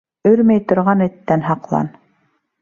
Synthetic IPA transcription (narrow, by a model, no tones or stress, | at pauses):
ɵɾmæjt̪ŏɾʁɑnɘ̆t̪ːænɦɑqlˠɑ̰n